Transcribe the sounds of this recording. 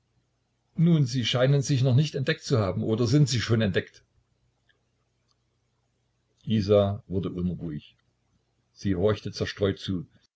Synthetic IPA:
nuːnziːʃaɪnənzɪçnɔχnɪçtɛntd̥ɛk̚tt͡suhaːbm̩ʔoːdɐzɪntz̥iːʃoːnɛntd̥ɛkt | ʔiːzaːvʊɐdəʔʊnʁuːɪç | z̥iːhɔɐçtət͡sɛɐʃtʁ̥ɔʏtt͡suː

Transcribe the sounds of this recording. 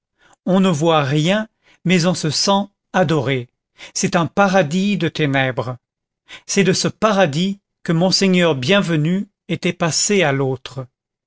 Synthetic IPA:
ɔ̃nəvwaʁjɛ̃ | mɛzɔ̃səsɑ̃ | ad̪ɔʁe | sɛt̪ɛ̃paʁad̪id̪ət̪enɛbʁə | sɛd̪əsəpaʁad̪i | kəmɔ̃seɲœʁbjɛ̃vəny | et̪ɛpasealot̪χə

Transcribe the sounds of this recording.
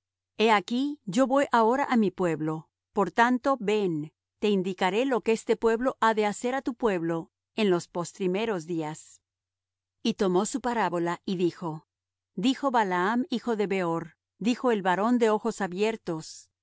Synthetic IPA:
eakiʝo̞βo̞jʔao̞ɾaʔamipwe̞βlo̞ | po̞ɾt̪ant̪o̞βe̞n | t̪e̞ind̪ikaɾe̞lo̞keest̪epwe̞βlo̞ʔaðe̞ase̞ɾat̪upwe̞βlo̞ | e̞nlo̞spo̞st̪ɾime̞ɾo̞zðias | it̪o̞mo̞supaɾaβo̞laʔiðixo̞ | d̪ixo̞βalaamixo̞ðe̞βe̞oɾ | d̪ixo̞e̞lβaɾo̞nd̪e̞o̞xo̞saβje̞ɾt̪o̞s

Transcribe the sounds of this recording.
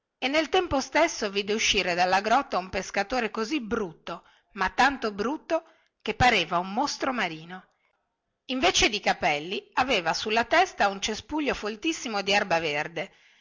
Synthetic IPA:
enːelt̪ɛmpost̪esːoviːd̪euʃːiːɾed̪alːaɡɾɔt̪ːaumpeskat̪oːɾekozibɾut̪ːo | mat̪ːant̪obɾut̪ːo | k̟epːaɾeːvaumːost̪ɾomaɾiːno | iɱveːt͡ʃed̪ikapɛlːiaveːvasulːat̪ɛst̪aunt͡ʃespuʎːofolt̪isːimod̪iarbaverd̪e

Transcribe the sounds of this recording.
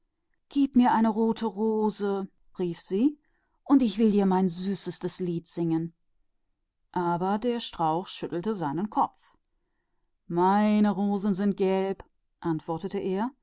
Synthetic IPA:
ɡ̥iːpmiːɐʔaɪnəʁoːtʰəʁoːzə | ʁiːfz̥iː | ʔʊntɪçv̥ɪldiːɐmaɪnzyːsəstəsliːtz̥ɪŋən | ʔaːbɐdeːɐʃtʁ̥aʊxʃʏtl̩təzaɪnənkʰɔpp͡f | maɪnəʁoːzn̩zɪnt̚ɡ̥ɛlp | ʔantv̥ɔɐtətəʔeːɐ

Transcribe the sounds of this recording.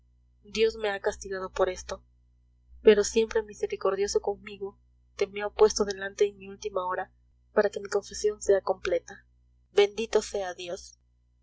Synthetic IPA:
d̪jo̞zme̞akast̪iɣað̞o̞po̞ɾe̞st̪o̞ | pe̞ɾo̞sje̞mpɾe̞mise̞ɾiko̞ɾðjo̞so̞ko̞ŋmiɣo̞ | t̪e̞mjopwe̞st̪o̞ðe̞lant̪e̞ːmiult̪imaoɾa | paɾake̞miko̞ɱfesjo̞nse̞ako̞mplet̪a | βe̞nd̪it̪o̞se̞aðjo̞s

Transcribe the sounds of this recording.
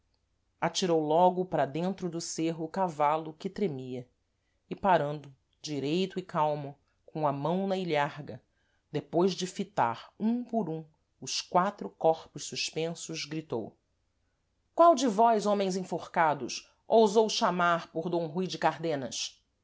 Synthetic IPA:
at͡ʃiɾowlɔɡʊpɾɐd̪ẽnt̪ɾʊd̪ʊseɦʊːkavalʊkɪt̪ɾemiɐ | ɪpaɾɐ̃nd̪ʊ | d͡ʒiɾejt̪ʊɪkawmɐ | kõɐmɐ̃w̃nɐiʎaɾɡɐ | d̪epojzd͡ʒɪfit̪a̰ɾũpʊɾũ | ʊskwat̪ɾʊkɔχpʊʃsuʃpẽsʊzɡɾit̪o̰w | kwawd͡ʒɪvɔjzõmẽj̃zĩfoχkad̪ʊ̰ʃ | owzowʃamaɾpʊɾd̪õw̃ɦujd͡ʒɪkaɾd̪ẽnɐs

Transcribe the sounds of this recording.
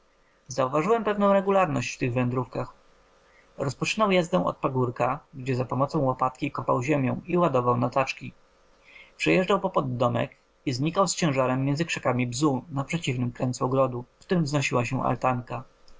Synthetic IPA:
zauvaʐɘwɛmpɛvnɔ̃w̃ɾɛɡulaɾnɔɕt͡ɕft̪ɘɣvɛnd̪ɾufkax | ɾɔspɔt͡ʂɘnawjazd̪ɛ̃w̃ʔɔ̰t̪paɡuɾkaɡd͡ʑɛzapɔmɔt̪sɔ̃w̃wɔpat̪kʲikɔpa̰wʑemʲjɔ̃w̃iwad̪ɔvawnat̪at͡ʂkʲi | pʂɛjɛʐd͡ʐawpɔpɔd̪ːɔmɛ̰k | izɲikawst͡ɕɛ̃w̃ʐaɾɛmːjɛnzɘkʂɛkamʲibzunapʂɛt͡ɕivnɘmkɾɛnt̪suɔɡɾɔd̪ukt̪uɾɘmznɔɕiwaɕɛ̃ʔa̰lt̪aŋka

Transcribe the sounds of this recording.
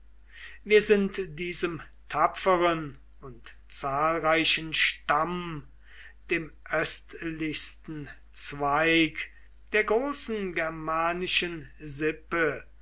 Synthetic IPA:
viːɐzɪntd̥iːzəm | tʰapfəʁən | ʊnt | t͡saːlʁaɪʃən̩ʃtam | d̥eːmʔœstlɪçstn̩ | t͡sv̥aɪk | d̥eːɐɡʁoːsn̩ɡɛɐmaːnɪʃənzɪpə

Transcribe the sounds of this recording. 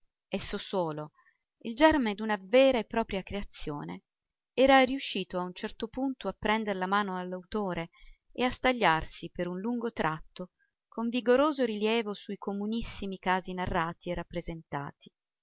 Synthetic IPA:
ɛsːosoːlo | ild͡ʒɛrmed̪unavɛːɾaepːɾɔːpɾjakɾeat̪sːjo̰ːnḛ | ɛːɾariuʃːiːt̪oaunt͡ʃɛrt̪opunt̪oapːɾɛnd̪eɾelamaːnoalːawt̪oːɾeeast̪aʎːarsipeɾunluŋɡot̪ɾʔat̪ːo | koɱviɡoɾoːzoɾiljɛːvosuikʰomunisːimikaːzinarːaːt̪ierːapːɾezent̪a̰ːt̪i̥

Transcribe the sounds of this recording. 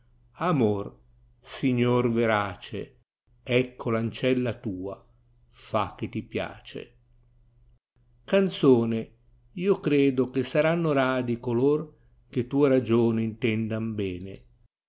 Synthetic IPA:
amor | siɲːorveɾaːt͡ʃe | ɛkʰːolant͡ʃɛlːat̪uːa | fak̟ːet̪ːipja̰ːt͡ʃḛ | kant̪soːne | iːokɾeːd̪okesaɾanːoɾaːd̪ikolor | k̟et̪uːeɾad͡ʒoːniint̪ɛnd̪ambɛːne

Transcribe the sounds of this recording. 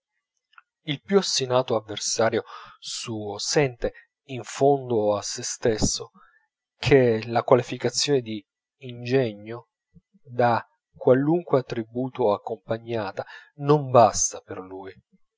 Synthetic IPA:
ilpjuasːinaːt̪oavːersaːɾjosuːosɛnt̪e | iɱfond̪oasːest̪esːo | kʰelakwalifikat̪sːjoːned̪iː | nd͡ʒɛɲːo | d̪a | kːwaluŋkweat̪ːɾibuːt̪oakːompaɲːaːt̪anombast̪aperluːj

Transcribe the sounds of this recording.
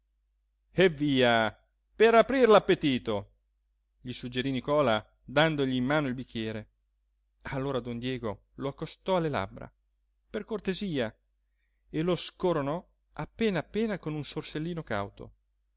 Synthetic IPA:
evːiːa | peɾapɾirlapːet̪iːt̪o | ʎisud͡ʒeɾinikɔːla | d̪and̪oʎiːmːaːnoilbikʲːjɛːɾe | alːoːɾad̪ond̪jɛːɡo | loakːost̪ɔalːela̰bɾa̰ | perkort̪eziːa | eloskoɾonɔ | apːeːnaːpːeːnakonunsorselːiːnoka̰wt̪o̰

